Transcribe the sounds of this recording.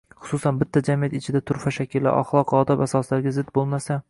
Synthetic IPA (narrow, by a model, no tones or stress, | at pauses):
χʊ̥susanbɪt̪ʰːad͡ʒamijat̪ɪt͡ʃʰɪd̪at̪ʰʊɾfaʃakʲʰɪlːa̰ɾʔɒ̰χlˠɒqɒːd̪ɒpasɒslaɾɡʲazɪd̪̚bolˠmasa